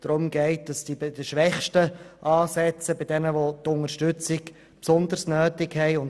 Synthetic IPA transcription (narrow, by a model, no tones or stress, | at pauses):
d̥ɾʊmɡɛɪt̚d̥ɑsd̥ibɪdəʃʋɛχʃtəʔɑːsɛt͡səbɪdɛnəʋotʊŋəɾʃtʉt͡sɪk | psɔnd̪əɾsnøːtɪkhɛɪʊn